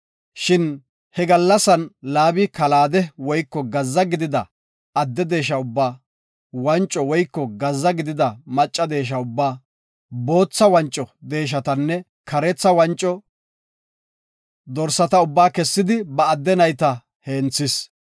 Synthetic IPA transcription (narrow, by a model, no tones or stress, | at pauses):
ʃɪn | hɛɡɐlːɐsɐnlaːbɪkɐlaːd̪ɛwɔjkːɔɡɐzːɐɡɪd̪ɪd̪ɐ | ɐd̪ːɛd̪e̞ːʃɐʊbːaː | wɐnt͡ʃʼːɔwɔjkːɔɡɐzːɐɡɪd̪ɪd̪ɐmɐt͡ʃʼːɐd̪e̞ːʃ̬ɐʊbːaː | bo̞ːt͡sːɐwɐnt͡ʃʼːɔd̪e̞ːʃ̬ɐt̪ɐnːɛ | kɐɾɛt͡sːɐwɐnt͡ʃʼːɔ | d̪ɔɾsːɐt̪ɐʊbːaːkɛsːɪd̪ɪbɐːd̪ːɛnɐjt̪ɐ | heːnt͡sːɪs